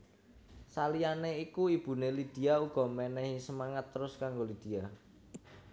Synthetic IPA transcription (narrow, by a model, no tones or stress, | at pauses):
salianeikuib̥ṳnelid̪̥i̤auɡ̥ɔ̤mɛnɛhisəmaŋat̪ːəɾʊskaŋɡolid̪̥i̤a